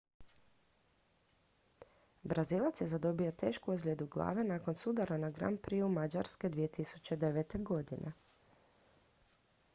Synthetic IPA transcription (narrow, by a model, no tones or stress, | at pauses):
bɾaziːlˠat̪sjezad̪o̞bio̞t̪e̞ːʃkuuzɡlʲed̪uɡlˠa̰ːʋenaːko̞nsud̪aɾanaɡɾa̰ːnpɾiumad͡ʒaɾske̞d̪ʋije̞t̪isu̥t͡ɕe̞d̪e̞ʋet̪e̞ɡo̞d̪inʔḛ